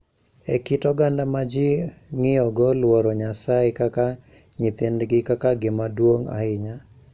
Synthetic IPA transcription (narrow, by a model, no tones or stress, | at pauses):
ɛkɪtɔɡandamad͡ʒɪŋɪɔɡɔlwɔɾɔɲasaɪkaka | ɲɪt̪endɡɪkakaɡɪmadwoŋa̰ɪɲa